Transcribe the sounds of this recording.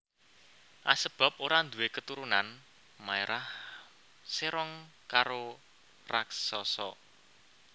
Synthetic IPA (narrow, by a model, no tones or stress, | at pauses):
ʔa̰səb̥a̤p̚oɾand̪uekət̪uɾunan | maeɾʔah | seɾɔŋ | kaɾo | raksɔsɔ̰